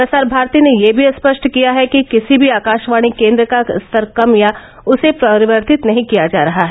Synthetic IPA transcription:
ɾɐsaːɾbʱaːɾt̪inejebʱiɐspəʃʈkijaɦɛkikɪsibʱiaːkaːʃʋaːɽ̃ikẽːnd̪ɾəkast̪ʰəɾkɐmja | ʊsepɾɐɾɪʋəɾt̪ɪt̪nɐɦĩkijad͡ʒa̰ːɾɐɦaɦɛ

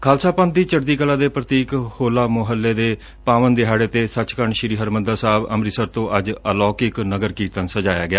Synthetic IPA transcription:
kʰaːlsaːpə̃n̚iːt͡ʃəɽd̪iːkəlaːd̪eːpɾət̪iːkhoːlaːmʊɦəlːeːd̪eː | paːʋənd̪eɦaːɽeːt̪eːsət͡ʃkəɾəɳʃɪɾiːɦəɾməd̪aːsaːbə̰mɾisəɾt̪õːʔəd͡ʒəlɔːkɪknəɡəɾkiːt̪ənsəd͡ʒaːja̰ːɡɪjaː

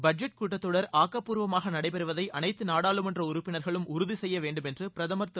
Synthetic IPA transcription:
bɐd͡ʒɛʈ̚kuːʈːɐt̪ːɔɽɐɾaːkːɐpːuːɾʋɐmaːɣɐnɐɽɐɪpɛɾɯʋɐðɐɪʔɐnɐɪt̪ːɯnaːɽaːɭɯmɛndrɐʊɾʊpːɪnɐɾɣɐɭɯmʊɾʊðisɛjːɐʋeːɳɖɯmɛndrɯpɪɾɐðɐmɐɾt̪ːɯ

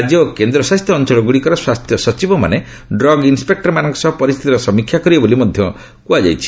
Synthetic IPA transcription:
d͡ʒiɔkend̪ɾɔsast̪ʰjɔːnt͡ʃɔɭɔɡuɽikɔɾɔswast̪ʰjɔsɔt͡ʃibɔma̰ne | ɖɾɔɡinspek̚ʈɔɾmanɔŋkɔ̥sɔbɔpɔɾist̪ʰit̪iɾɔsɔmikʰjakɔɾibɔbolimɔd̪ʱjɔ | kuad͡ʒa̰jt͡ʃʰi̥

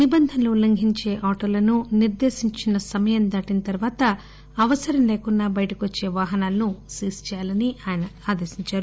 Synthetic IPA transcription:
nibɐnd̪ʱɐnlulːɐŋɡʱiɲt͡ʃe̞ːʔaːʈoːlɐnuniɾd̪eːʃiɲt͡ʃinɐsɐmɐjɐnd̪aːʈinɐt̪ɐɾʋaːt̪ɐː | ʋɐsɐɾɐmleːkunːaːbɐjʈɐkiʋot͡ʃːe̞ːʋaːɦɐnaːlɐnusiːst͡ʃjaːlɐniaːjɐnɐaːd̪eːsiɲt͡ʃaːɾu

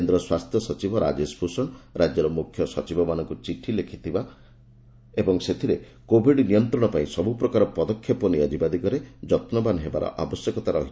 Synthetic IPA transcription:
end̪ɾɔswast̪ʰjɔsɔt͡ʃibʱɔɾa̰d͡ʒespʰusɔɳɾad͡ʒjɔɾɔmukʰːjɔsɔt͡ʃibʱɔmanɔŋkut͡ʃiʈʰilekʰit̪ʰiba | ebɔŋset̪ʰiɾe | kobʱiɖnijɔnt̪ɾɔɽ̃ɔpaĩsɔbupɾɔkaɾɔpɔd̪ɔkʰːjɔpɔnijɔd͡ʒibad̪ikɔɾed͡ʒɔt̪nɔbanɦeba̰ɾɔ̰ʔa̰bɔsjekɔt̪aɾɔɦi

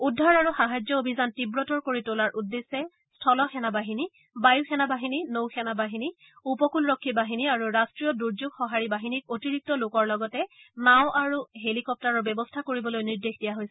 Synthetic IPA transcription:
udʱːaɹaɹuxaɦad͡ʒjɔobʱizantibɹɔtɔɹkoɹitolaɹʔudːesːɛ | stʰɔlɔxɛnabaɦini | bajuxɛnabaɦininowxɛnabaɦini | upɔkulɹɔkʰːibaɦiniaɹuɹastɹijɔduɹzuɡxɔɦaɹibaɦinik̚otiɹik̚tɔlokɔɹlɔɡɔtɛnaw̃ʔaɹuɦelikɔp̚taɹɔɹbɛbɔstʰakoɹibɔlojniɹdexdijaɦojsɛ

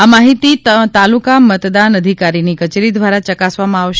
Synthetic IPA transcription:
amaɦit̪it̪alukamət̪d̪anəd̪ʱikaɾinikət͡ʃeɾid̪ʋaɾat͡ʃəkasʋamãaʋʃ

